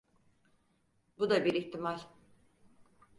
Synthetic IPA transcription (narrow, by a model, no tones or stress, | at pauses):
bud̪abiɾiçt̪ʰimalʲ